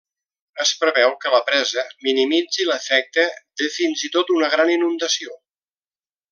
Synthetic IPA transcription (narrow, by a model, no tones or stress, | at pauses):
əspɾəβɛwkələpɾɛzəminimid͡ziləfɛk̚t̪əd̪efinzit̪ot̪unəɣ̞ɾaninund̪əsio